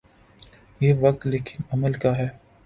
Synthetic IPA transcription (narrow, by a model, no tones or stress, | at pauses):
jeːʋɐkt̪leːkʰɪnɐməlkaɦɛː